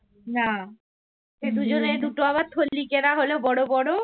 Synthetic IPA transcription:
na | ʃed̪ud͡ʑoned̪uʈoaβad̪̚t̪ʰolːikeɾaɦolobɔɽobɔɽo

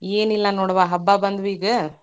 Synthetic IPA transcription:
eːnilːɐnoːɽʋaːɦɐbːaːbɐnd̪ʋiːɡɯ

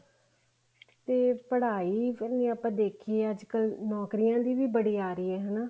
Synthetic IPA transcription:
t̪eːpəɽaːiːənẽːəpãːd̪eːkʰiːeːəd͡ʒkəlnɔːkɾɪjãːd̪iːʋiːbəɽiːaːɾɪːɛːɦənaː

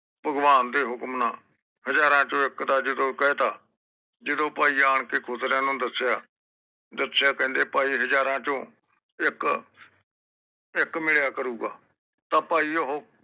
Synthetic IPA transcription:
bʱəɡʋaːnd̪eːɦʊkmnãː | ɦəd͡ʒaːɾãːt͡ʃõːɪkd̪aːd͡ʒɪd̪õːkəeːt̪aː | d͡ʒɪd̪õːpaːiːaːɳkeːkʰʊzɾãːnũːd̪əsjaː | d̪əsɪjaːkɛ̃ːnd̪eːpaːiːɦəd͡ʒaːɾãːt͡ʃõː | ɪk | ɪkmɪɭjaːkəɾuːɡaː | t̪ãːpaːiːəɦoː

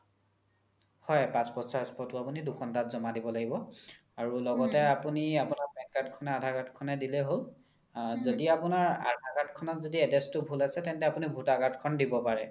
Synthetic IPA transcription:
hɔjpãspɔsaspɔtuapuniduxʰɔntatzɔmadibɔlaɡibɔ | aɹulɔɡɔtɛapuniapunaɹbɛŋklatkʰɔnɛadʱaɡatkʰɔnɛdilɛɦol | zodiapunaɹa̰dʱaɡatkʰɔnɔtzodiɛdestʊbʱulasɛtɛntɛapunibʱutaɡatkʰɔndibɔpaɹɛ

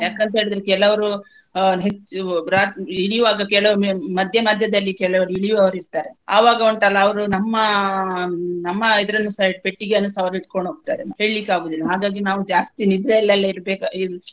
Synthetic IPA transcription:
jaːkɐnt̪ɐɦeɭid̪ɾekɛlɐʋɐɾu | ɦesɾaiɭiʋaːɡɐkɛlɐʋɾmɐd̪ʱjɐmɐd̪ʱjɐd̪ɐlːikɛlɐʋɐɾuiɭiʋɐʋɐɾiɾt̪aːɾea̰ːʋaːɡɐoɳʈɐlːɐːʋɐɾunɐmːɐ | nɐmːɐid̪ɐɾɐnːusaʈ̚peʈːiɡeɐnːɐsɐʋɐɾiʈkoɳɖɦoːɡt̪a̰ːɾehe̞ːɭilikːaːɡuːd̪ilːɐɦaːɡaːɡinaːʋud͡ʒaːst̪inid̪ɾeɛlːɐlːɐiɾbeːki

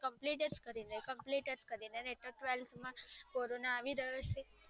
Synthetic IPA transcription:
kəmpliʈeɾd͡ʒkəɾinekəmpliʈeɾskəɾineneʈəʈʋelt̪ʰmãkoɾonaːʋiɾəjot͡ʃʰe

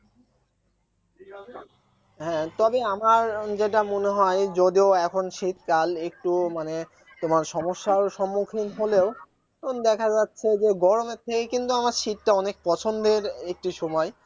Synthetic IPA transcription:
ɦɛ̃t̪ɔbeamaɾd͡ʑeʈamoneɦɔed͡ʑod̪ioɛkʰonʃit̪kalek̚ʈumane | t̪omaɾʃɔmoʃːaɾʃɔmːukʰinɦoleo | ond̪ɛkʰad͡ʑatːɕʰed͡ʑeɡɔɾomet̪ʰekekint̪uamaɾʃitːaɔnek̚pɔt͡ɕʰond̪eɾek̚ʈiʃɔmɔe

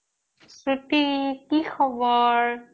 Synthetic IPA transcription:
sɹutikixʰɔbɔɹ

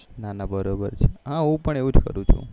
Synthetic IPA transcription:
nanabəɾobəɾt͡ʃʰeɦãũpəɳeʋũd͡ʒkə̰ɾũt͡ʃʰṵ

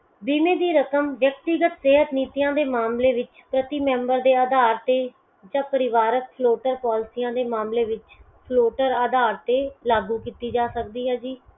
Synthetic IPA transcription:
biːmẽːd̪iːɾəkəmʋjək̚t̪iɡət̪seːɦət̪niːt̪ijãːd̪eːmaːmleːʋɪt͡ʃ | pɾət̪iːmɛ̃ːmbəɾd̪eːəd̪aːɾt̪eː | d͡ʒãːpəɾɪʋaːɾək̚pʰloːʈəɾpɔːlɪsijãːd̪eːmaːmleːʋɪt͡ʃ | pʰloːʈəɾəːd̪aːɾt̪eːlaːɡuːkiːt̪iːd͡ʒaːsək̚d̪iːɦɛːd͡ʒiː

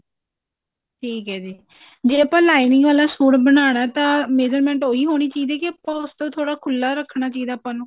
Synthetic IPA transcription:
ʈʰiːkɦɛːd͡ʒiː | d͡ʒeːəpãːlaːinɪŋɡʋaːlaːsoːɽbənaːɽ̃aːt̪ãːmeːd͡ʒəɾmɛ̃ːɳʈoːiːɦoːɽ̃iːt͡ʃaːiːd̪ɛːkɪəpãːʊst̪õːt̪ʰoːɽaːkʰʊlːaːɾəkʰnaːt͡ʃaːiːd̪aːpãːnũː

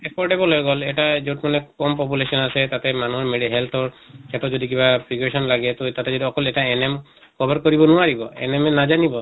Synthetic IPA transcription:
ekɔɾɖebɔlɔɡɔleʈad͡ʒewʈmanekɔmpɔp̬ulesɔnaset̪at̪emanuɦɔɾmeɽiɦelt̪ʰɔɾkʰet̪ɔd͡ʒɔd̪ik̬ibapɾikwesɔnlaɡet̪ɔt̪at̪ed͡ʒɔd̪iɔkɔleʈaenem | kɔbaɾkɔɾibɔnuaɾibɔḛnemenad͡ʒanibɔ

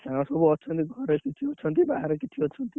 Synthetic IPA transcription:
ãsʌboʌt͡sʰʌnt̪iɡʱʌɾekit̪ʰiʌt͡sʰʌnt̪ibaɦaɾʌkit̪ʰiʌtt͡sʰʌnt̪i

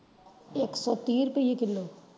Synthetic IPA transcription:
eːksɔt̪iːɾpejikɪlːo

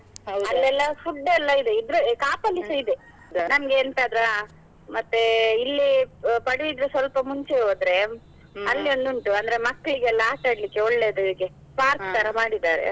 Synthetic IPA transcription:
ɐlːɛlːɐfuɖːɛlːɐid̪eid̪ɾukaːpɐlːisɐid̪e | nɐmɐɡeːnt̪aːd̪ɾa | mɐt̪ːeilːipɐɽiʋid̪ɾusʋɐlpɐmuɲt͡ʃeɦoːd̪ɾe̞ | ɐlːio̞nd̪uɳʈuɐnd̪ɐɾe̞mɐkːɐɭiɡelːɐaːʈaːɽlikːe̞ɔɭːed̪ud̪ikːe | paːɾt̪ɐɾɐmaːɽid̪aːɾḛ

